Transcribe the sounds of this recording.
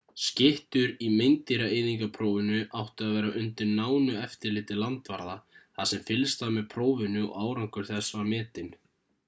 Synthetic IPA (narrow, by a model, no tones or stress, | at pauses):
scɪht̪ʏɾimejnt̪iɾaejðiŋkapʰɾoːwvɪnʏʔawht̪ʏaðvɛːɾaʔʏnt̪ɪɾnaːwnʏɛft̪ɪɾlɪːt̪ɪlant̪vaɾðaθasɛmfɪlst̪amɛðpʰɾoːwvɪnʏɔ̰ʔaːwɾaŋkʏɾ̥θɛsvaɾmɛːt̪ɪn